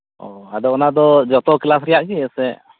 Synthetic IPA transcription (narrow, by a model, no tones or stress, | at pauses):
ɔad̪ɔɔnad̪ɔd͡ʒɔt̪ɔklasɾɛjaʔt͡ʃiɛsɛʔ